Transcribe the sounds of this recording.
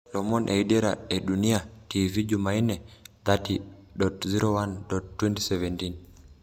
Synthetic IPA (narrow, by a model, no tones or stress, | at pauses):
lɔmɔnʔḛideɾaeɗuniativid͡ʒumainɛðatiɗɔtziɾowanɗɔttːwɛntisɛvɛntin